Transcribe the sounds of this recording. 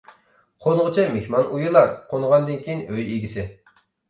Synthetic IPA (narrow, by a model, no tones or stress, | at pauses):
qʰonʁət͡ʃʰɑmehmɑnʔujulˠɑɾqʰonʁɑnd̪ɨnkʲʰiinøjiɡʲisɪ